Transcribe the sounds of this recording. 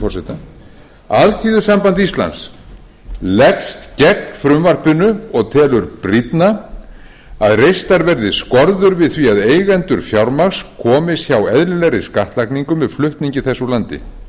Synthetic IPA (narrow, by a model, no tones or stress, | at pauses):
ɔɾsɛt̪a | alθʰiːðʏsampant̪ist̪la̰ns | lɛkst̪cɛknfɾʏmvar̥pʏnːʏɔɣt̪ʰɛːlʏɾpɾit̪na | aðrejst̪aɾvɛɾðɪskɔɾðʏɾvɪðθviaðeːjɣɛnt̪ʏɾ̥fjawɾmakskʰɔːmɪsçawɛðlʏlɛɾɪskaht̪lajkniŋkʏmvɛðflʏht̪niɲcɪθɛsːʏlant̪ɪ̰